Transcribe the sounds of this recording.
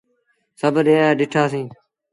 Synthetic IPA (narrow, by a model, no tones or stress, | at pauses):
səbɗẽːaːɗɪʈʰaːsĩː